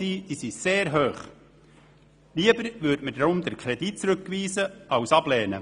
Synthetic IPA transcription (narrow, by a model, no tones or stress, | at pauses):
iːisiseːɾɦøːχ | liəbəɾʋʏɾtmədɾʊmd̪əɾkʰɾɛdit͡sɾɵkːʋiːzəɑwsɑb̥lɛːnə̰